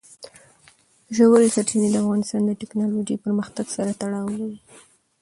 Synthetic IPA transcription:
ʒawəlsaʈʰined̪əafɣɑnɪst̪ɑnd̪əʈɪknɑlod͡ʒepəɾməxt̪aɡsaɾat̪aɽɑwwi

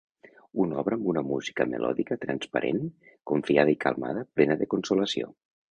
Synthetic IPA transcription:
unɔβɾəːmbunəmuzikəməlʔɔ̰ðikət̪ɾənspəɾʔḛn | kuɱfiaðəikəlˠma̰ðəplɛnəðəkunsuləsio̰

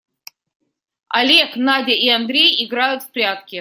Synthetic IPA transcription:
a̰lʲeknadʲɐʔiand̪ɾʲejiɡɾajʊt̪fpɾʲat̪̚kʲɪ

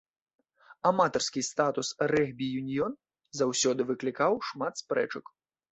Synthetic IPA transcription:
amat̪ɐrskʲist̪at̪usrɛɣbʲijunʲjɔn | zawsʲɔd̪ɨvɨklʲikawʂmat̪spɾɛ̰t͡ʂɐk

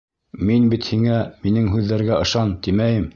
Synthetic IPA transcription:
minbit̪hiŋæminɘŋɦʉðːæɾɡæɤ̆ʃɑnt̪imæjɘm

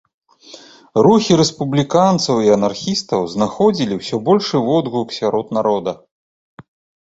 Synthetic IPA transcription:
ɾuxʲiɾɛspublʲikant̪sɐwiɐnarxʲist̪ɐwznaxɔd͡zʲilʲiwsʲɔbɔlʲʂɨvɔd̪ɣuksʲaɾɔt̪naɾɔd̪ɐ

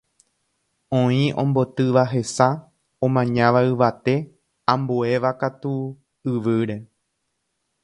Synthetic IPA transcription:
õĩʔõ̰mbo̞t̪ɨʋaɦe̞sa | õmãɲãʋaɨʋat̪e̞ | ãmboe̞ʋakat̪u | ɨʋɨɾe̞

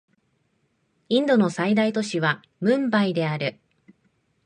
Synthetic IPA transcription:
ĩnd̪o̞no̞said̪ait̪o̞ɕiβ̞a | mɯ̟̃mbaid̪e̞aɾɯ̟

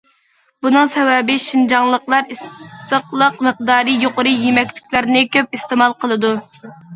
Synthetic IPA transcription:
bunɨŋsɛwɛbɪʃind͡ʒɑŋlˠəqlˠɑɾisəqlˠəqməq̚d̪ɑːɾɨjoqʊɾɨjemɛkʲlɪ̥kʲlæɾnɪkʲøp̚ist̪emɑlˠqʰəlˠɨd̪u

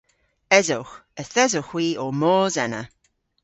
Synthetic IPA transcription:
ɛzʊwxəθɛzʊxwiːomɔːzɛnə̰

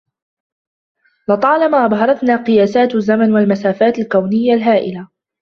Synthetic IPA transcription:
lɑt̪ˤɑːlamaːʔɑbˤɦɑɾˤɑt̪naːqɨjaːsaːt̪azːamanwalmasaːfaːt̪alkawnɪjːalɦaːʔɪ̰la

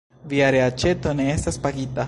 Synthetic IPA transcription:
viaɾeat͡ʃe̞t̪o̞ne̞estaspaɡit̪a

